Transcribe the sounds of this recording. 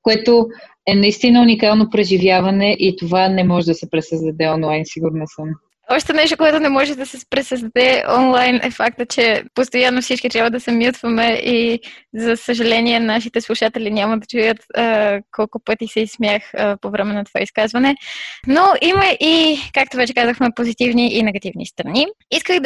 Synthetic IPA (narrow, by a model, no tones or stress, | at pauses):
koɛt̪o | ɛnɐist̪inəunikalˠnopɾɛʒivjavɐnɛʔit̪ovanɛmɔʒɛd̪ɐsɛpɾɛsəzd̪ɐd̪ɛɔnlˠajnsiɡuɾnɛsəm | ɔʃt̪ɛnɛʃ̬t̪okoɛt̪ʊnɛmɔʒɛd̪ɐsɛpɾɛsəzd̪ɐd̪ɛɔ̰nlˠajnʔɛ̰fak̚t̪ət͡ʃɛpost̪ojanːofsit͡ʃkit̪ɾjabvəd̪ɐsɛmjut̪vɐmɛʔizɐsəʒɐlɛniɛnaʃit̪ɛslˠuʃat̪ɛlinʲamɐd̪ɐt͡ʃujət̪ːkɔlˠkʊpɤt̪isɛismʲjaxpovɾɛmɛnɐt̪ova̰iskazvɐnɛnoʔimɐʔikak̚t̪ovɛt͡ʃɛkazəxmɛpozit̪ivniʔinɛɡɐt̪ivnḭst̪ɾɐniiskəxd̪